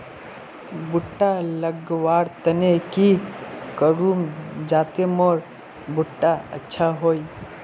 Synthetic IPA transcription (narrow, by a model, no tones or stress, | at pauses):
bʊʈːaləɡʋaːɾt̪ənekikəɾuːmd͡ʒaːt̪emɔɾ | bʊʈːaə̰tːʃʰaɦoːi